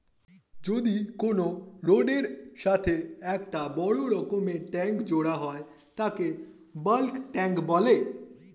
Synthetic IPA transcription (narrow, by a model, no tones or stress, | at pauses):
d͡ʒod̪ikonoɾoɖeɾʃat̪ʰeɛkʈabɔɽoɾɔkomeʈɛ̃ŋkd͡ʒoɽaɦɔe | t̪ake | bəlkʈɛ̃ŋkbɔle